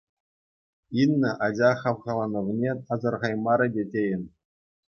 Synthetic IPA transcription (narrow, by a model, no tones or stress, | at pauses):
inʲːɘ̆ʔɑd͡ʑɑχɑʋʁɑlˠɑnɤ̆ʋnʲeɑzɤ̆rʁɑjmɑɾʲɤ̆dʲetʲejɘ̆nʲ